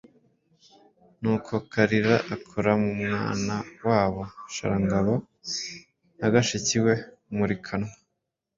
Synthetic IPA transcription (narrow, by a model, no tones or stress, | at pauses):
nuːkʰokʰaɾiɾaʔakʰoɾamumŋa̰ːnawaːβoʃa̰ɾaŋɡaβo | naɡaʃiciwe̞ | muɾikʰano